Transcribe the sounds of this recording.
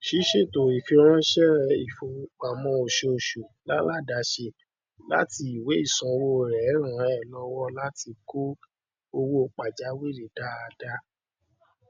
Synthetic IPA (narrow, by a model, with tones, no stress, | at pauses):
ʃi˨˦ʃe˦˨to˨i˨fi˧ɾ̃ã˦ʃɛ˦ɾɛ˦˨i˨fo˧˨k͡pa˨mɔ̃˧˦o˨ʃo˧o˨ʃo˨la˦la˦˨da˨˦ʃe˧ | la̰˦ti˧i˨we˨˦i˦˨sɔ̃˧wo˦˨ɾɛ˨˦ɾ̃ã˨˦ɛ˦˨lɔ˧˦wɔ˦la˦ti˧ko˦ | o˧wo˦˨k͡pa˨d͡ʒa˨˦wi˦˨ɾi˨da˦a˧da˧